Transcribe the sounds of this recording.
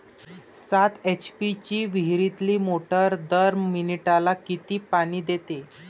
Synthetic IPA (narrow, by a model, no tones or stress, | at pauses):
sat̪et͡ɕpit͡ɕiːʋiɦɾit̪liːmoʈəɾd̪əɾminiʈalakit̪iːpaɽ̃iːd̪et̪e